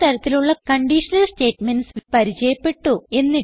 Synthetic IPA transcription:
t̪ɐɾɐt̪ːiluɭːɐkɐɳɖiːʂɐnɐlsʈe̞ːʈmenspɐɾit͡ɕɐjɐpːe̞ʈːue̞nːi

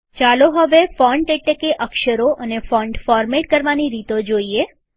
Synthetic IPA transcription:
t͡ʃaloɦəʋefɔɳɖeʈlekeʔəkʃəɾoʔənefɔ̃ɳɖfɔɾmeʈ̚kəɾʋaniɾit̪od͡ʒoie

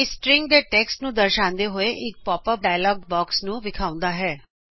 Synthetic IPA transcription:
ɪsʈɾɪ̃ŋɡ̚d̪eʈɛːksʈnũd̪ɐɾʃãːnd̪eɦʊeʔɪk̚pɔːpəɾɖaːjəlɔːɡbɔːksnũʋɪkʰaːʊ̃nd̪aɦɛː

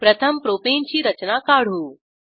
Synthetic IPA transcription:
pɾɐt̪ʰɐmpɾoːpeːnt͡ʃʰiːɾɐt͡ʃnaːkaːɽ̤ɦuː

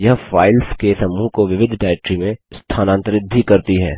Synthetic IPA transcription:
jɐɦfaːɪlskesɐmuːɦkoʋɪʋɪd̪ʱɖaːɛk̚ʈɾimẽst̪ʰaːnãːnt̪əɾɪd̪ʱːikɐɾt̪iɦɛ̰ː

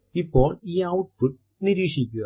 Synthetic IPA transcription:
ipːo̞ːɭiːɐwʈ̚puʈ̚ | niɾiːʂikʲːuɣɐ

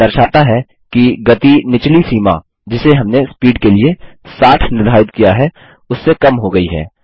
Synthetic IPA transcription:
ɐɾʃaːt̪aɦɛ | kiɡɐt̪inɪt͡ʃlisiːma̰ | d͡ʒɪseɦɐmnespiːɖkeliesaːʈʰnɪɾd̪ʱaːɪt̪kijaɦɛ | ʊsːekɐmɦoɡɐiɦɛ̰ː

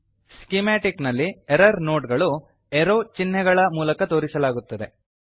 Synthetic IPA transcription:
skimaːʈiknɐlːieɾɐɾno̞ːʈɡɐɭu | eɾoːt͡ʃinːɛɡɐɭɐmuːlɐkɐt̪o̞ːɾisɐlaːɡut̪ːɐd̪e̞

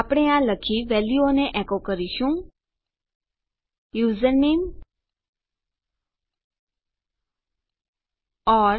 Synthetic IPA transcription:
apɽ̃eãləkʰiʋɛljuoneʔɛkokəɾiʃũ | juzəɾnem | ɔɾ

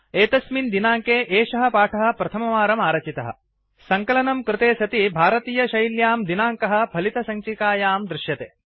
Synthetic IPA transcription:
eːt̪ɐsmind̪inaːŋkeːʔeːʃɐɦɐ̆paːʈʰɐɦɐ̆pɾɐt̪ʰɐmɐʋaːɾɐmaːɾɐt͡ʃit̪ɐɦɐ̰ | sɐŋkɐlɐnɐmkɾɪt̪eːsɐt̪ibʱaːɾɐt̪iːjɐʃɐjljaːmd̪inaːŋkɐɦɐ̆bʱɐlit̪ɐsɐŋt͡ʃikaːjaːmd̪ɾɪʃjɐt̪eː

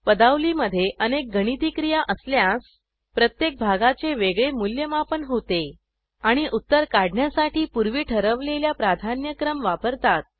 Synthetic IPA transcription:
pəd̪aʋliːməd̪ʱːjeʔənek̚ɡəɽ̃it̪ikɾijaʔəsljãs | pɾət̪jek̚bʱaɡat͡seʋeɡɭemuljəmapənɦot̪e | aɽ̃iʔut̪ːəɾkaɽɳjasaʈʰiːpuɾʋiːʈʰəɾəʋleljapɾad̪ʱanjəkɾəmʋapəɾt̪at̪̚

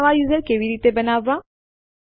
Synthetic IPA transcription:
ʋajuːzəɾkeːʋiɾiːt̪ebənaːʋːa

